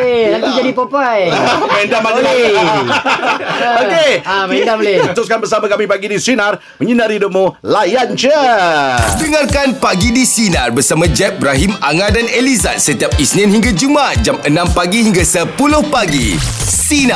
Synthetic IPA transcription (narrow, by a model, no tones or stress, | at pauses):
nat̪id͡ʒadipopajmɛndamali | okeiət̪ʊskanbərs̬amakamĩpaɡidisinar | məɲənaɾidomolajant͡ʃə | dəŋarkanpaɡidisinarbərsamãd͡ʒɛp̚bɾaɦimaŋadaneliza̰t̪̚sət̪iap̚isnĩnhĩŋɡad͡ʒumat̪̚d͡ʒamənãmpaɡihiŋɡasəpulʊhpaɡḭsina